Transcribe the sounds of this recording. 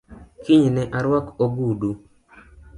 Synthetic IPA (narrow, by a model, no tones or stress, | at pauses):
kiɲenɛʔaɾwakoɡudu